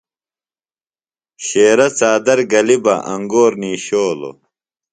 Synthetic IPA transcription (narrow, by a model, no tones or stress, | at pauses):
ɕeːɾɐt͡saːd̪ɐɾɡɐlibɐ̰ʔɐŋɡoːɾniːɕoːlo̰